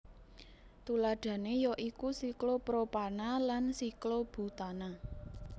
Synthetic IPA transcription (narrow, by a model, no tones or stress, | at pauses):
t̪ulaɖ̥ä̤nejɔʔikusiklopɾopanalansiklob̥ṳt̪ana